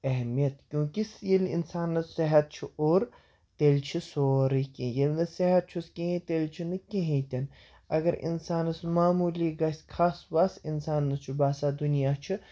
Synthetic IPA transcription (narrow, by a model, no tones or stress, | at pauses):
ɐɦmijɐt̪kʲjũːkisjelḭnsaːnːɐsɪɦɐt̪̚t͡ʃʰiʔoːɾ | t̪eːlt͡ʃʰisoːɾikĩjɐlnɨsɐɦɐt̪̚t͡ʃʰuskẽɦĩt̪eːlʲt͡ʃʰinɨkeɦĩːt̪ʲɐn | ɐ̰ɡɐɾḭnsaːnɨsmaːmuːliɡɐskʰaːsʋasinsaːnːɐst͡ʃʰubaːsaːd̪unijaːt͡ʃʰi